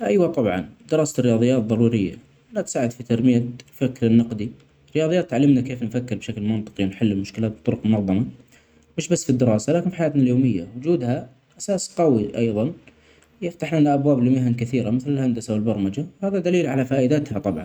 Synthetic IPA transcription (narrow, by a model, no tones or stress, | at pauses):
ʔajwat̪ˤɑbʕɑ̰nd̪ɪɾɑːsarːɪjɑːðˤɨjːaːt̪̚ðˤɑɾˤuːɾɪjːa̰ | ʔanat̪saːʕɪd̪fit̪aɾmɪjad̪fakːɾɪnːɑqd̪i | ɪrːɪjɑːðˤjaːt̪ːʕalːɪmnakeːfnfakːɪɾbʃaklmɪnt̪ˤɨ̥qiwnħɪlːɪlmʊʃkɪlaːt̪̚b̚t̪ˤʊɾʊqmʊnɑðˤːɑma | mɪʃbasːfid̪ːɪɾɑːsalaːkɪnfi̥ħajaːt̪naljoːmɪjːa̰wʊd͡ʒuːd̪ha | ʔasaːsqɑwiʔɑjðˤɑn | jɪft̪aħnanaʔabwaːblimɪɦankɪθiːɾamɪθlɪlhand̪asawɪlbɑɾˤmad͡ʒawhaːðad̪aliːlʕalafaːʔɪd̪at̪hat̪ˤɑbʕɑ̰nn